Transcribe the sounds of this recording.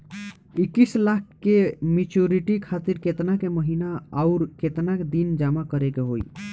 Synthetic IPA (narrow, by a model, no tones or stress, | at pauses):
ikːislak̚ʰkemit͡ʃuɾiʈikʰat̪iɾket̪nakeməɦinaaʊɾket̪naked̪ind͡ʒamakəɾekeɦoḭ